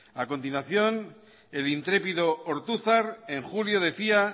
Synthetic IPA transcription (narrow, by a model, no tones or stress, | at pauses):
ako̞nt̪inwaθjo̞n | elint̪ɾe̞piðooɾt̪uθaɾeŋxuljoð̞e̞θia